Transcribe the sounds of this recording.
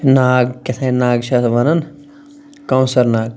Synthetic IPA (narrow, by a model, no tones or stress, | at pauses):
naːɡket̪ʰɐ̃naːɡʃʰɐsʋɐnɐn | kɐ̃wsɐɾnaːɡ